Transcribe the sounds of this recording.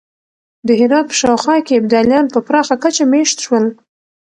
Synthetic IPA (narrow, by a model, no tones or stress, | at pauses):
d̪əɦɪɾɑd̪̚pə̥ʃɑwxɑkeɪbd̪ɑlijɑnpəpɾɑxakat͡ʃameʃt̪ʃwəl